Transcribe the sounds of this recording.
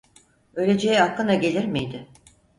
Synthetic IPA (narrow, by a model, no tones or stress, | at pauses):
ø̞jlʲe̞d͡ʒejɛhaklːɯnd̪aɟe̞lʲiɾmijd̪ɪ